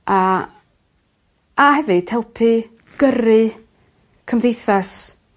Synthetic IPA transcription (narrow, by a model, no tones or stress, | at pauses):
a | ahɛvɨd̥hɛlˠpʰɨ | ɡ̥əɾɨ | kʰəmdejθas